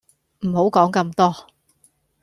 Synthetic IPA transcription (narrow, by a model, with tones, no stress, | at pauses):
m̩˨˩ho˨˥wkɔː˨˥ŋkɐ˧mt̪ɔː˥